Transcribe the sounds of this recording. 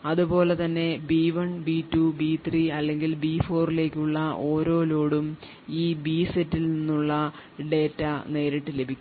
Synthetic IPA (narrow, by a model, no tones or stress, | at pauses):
ɐðupo̞ːle̞t̪ɐnːe̞biːʋɐɳbiːtːubiːt̪ʰriɐlːe̞ŋɡilbiːfo̞ːrile̞ːkʲːuɭːɐʔo̞ːɾo̞ːlo̞ːɽum | iːbiːsetːilninːuɭːɐɖe̞ːtːɐne̞ːɾiʈːɨle̞bʱikʲː